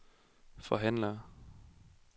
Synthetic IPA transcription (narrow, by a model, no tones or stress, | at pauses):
fɒ̽ɦæn̰lɐː